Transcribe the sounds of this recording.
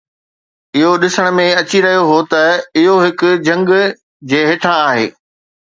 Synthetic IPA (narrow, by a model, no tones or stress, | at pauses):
ɪɦoɗɪsəɽ̃̆mẽɐt͡ɕiɾɐɦijoɦot̪ɐɪɦoɦɪkʊ̆d͡ʑʱɐ̃ŋɡ | d͡ʑeːɦeːʈʰãaːɦḛː